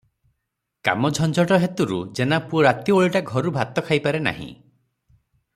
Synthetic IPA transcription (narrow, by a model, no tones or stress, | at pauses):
ka̰mɔd͡ʒʱɔnd͡ʒɔʈɔɦet̪uɾṵd͡ʒenapuɾat̪jɔoɭiʈaɡʱɔɾubʱat̪ɔkʰajpaɾena̰ɦḭ̃